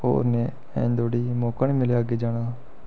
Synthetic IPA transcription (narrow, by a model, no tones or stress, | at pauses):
o̰ːɾneː | ɛ̰̃ːnd̪oːɽiːmoːkaniːmɪleaːɡeːd͡ʒaːɽ̃aː